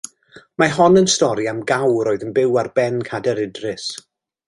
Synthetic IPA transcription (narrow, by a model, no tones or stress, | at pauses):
maɦɔnənstɔɾiamɡawɾoːɨðənbɪwarbɛnkʰadɛɾɪdrɪs